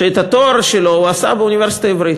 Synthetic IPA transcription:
ʃeet̪ɐt̪oɾaʃelo̞uɐsa̰beunʲiveɾsi̥t̪aevɾit̪

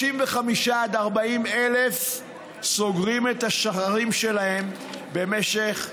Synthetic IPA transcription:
imveχamiʃaːd̪aʁbaimelef | so̞ɡʁimet̪aʃaχaʁimʃe̞lahe̞m | be̞meʃe̞χ

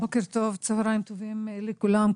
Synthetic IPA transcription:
bokeɾt̪ovt͡savɾaimt̪ovimelikulam

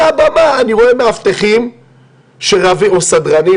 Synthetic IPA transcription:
abamaːniʁoemeaft̪eχim | ʃeʁaviosad̪ʁani

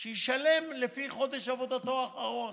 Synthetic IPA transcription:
ʃejiʃale̞mlefiχo̞d̪e̞ʃavo̞d̪at̪o̞aχaʁo

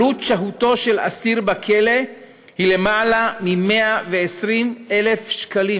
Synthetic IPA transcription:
utʃaɦuto̞ʃe̞la̰siʁbakʰe̞le̞ | hile̞maːlamime̞aveesʁimele̞fʃkali

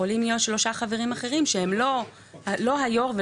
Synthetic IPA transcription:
olimijotʃlo̞ʃaχave̞ʁimaχe̞ʁimʃeemlo̞ | alo̞ɦajo̞ʁve

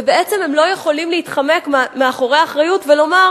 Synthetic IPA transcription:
ebeet͡se̞mhemlo̞jeχo̞limleitχame̞kmmeaχo̞ʁeaaχʁajutvelo̞maʁ

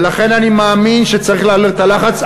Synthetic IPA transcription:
laχe̞nanimaːminʃet͡saʁiχlealeʁt̪alaχat͡s

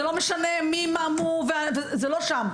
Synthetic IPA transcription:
elo̞meʃanemimamuveavezeloʃam

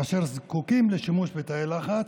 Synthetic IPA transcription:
aʃeʁzkukimleʃimuʃbet̪ajelaχat

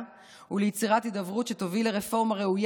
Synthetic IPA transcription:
ulejit͡siʁatidavʁutʃetovileʁefo̞ʁmaʁeuj

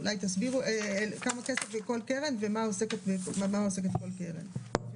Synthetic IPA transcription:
ulajt̪asbiʁuʔeekamake̞sefbeko̞lkeʁenvemaoseket̪bekmamaoseketko̞lkeʁḛn

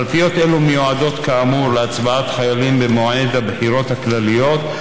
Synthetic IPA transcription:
lfijo̞t̪ʔe̞lumejoad̪o̞t̪kaamuɾleat͡sbaat̪χajalimbemoed̪habħiɾo̞t̪haklalijo̞t̪

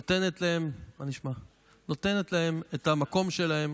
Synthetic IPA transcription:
ot̪e̞ne̞t̪lae̞mmaniʃma | no̞t̪e̞net̪lahe̞metamako̞mʃe̞lahe̞m

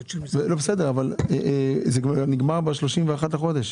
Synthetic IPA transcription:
belobesedeʁavaleʔzeɡniɡmaʁbeʃloʃimveaχat̪haχo̞d̪eʃ

